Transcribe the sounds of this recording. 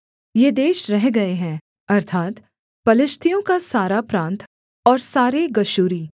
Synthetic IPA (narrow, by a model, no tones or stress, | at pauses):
jed̪eːʃɾɛɦɡɐeɦɛ̃ː | ɐɾt̪ʰaːt̪ | pɐlɪʃt̪ʰijõkasaːɾapɾãːnt̪ | ɔːɾsaːɾeɡɐʃuːɾiː